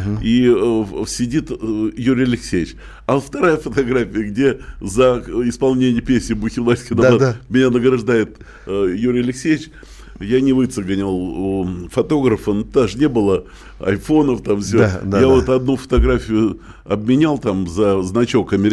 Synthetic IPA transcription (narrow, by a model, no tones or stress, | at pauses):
i | sʲɪdʲit̪juɾʲɪjɐlʲɪksʲejʲɪt͡ɕ | ɐft̪ɐɾajəfət̪ɐɡɾafʲɪjəɡdʲe̞zəɪspɐlˠnʲenʲɪjəpʲesʲnʲɪbʊxʲɪvlˠasʲkʲɪnɐadmʲɪnʲanəɡɾɐʐd̪ajɪt̪ | juɾʲɪɐlʲɪksʲejʲɪt͡ɕ | janʲɪvɨt̪səɡənʲɪlˠfɐt̪o̞ɡɾəfənt̪aʐɨnʲe̞bɨlˠə | ɐ̰jfo̞nəft̪amsʲojavo̞t̪ɐd̪nufə̥t̪ɐɡɾafʲɪjʊ | ɐb̚mʲɪnʲalˠt̪amzəznɐt͡ɕo̞kɐmʲɪɾʲɪ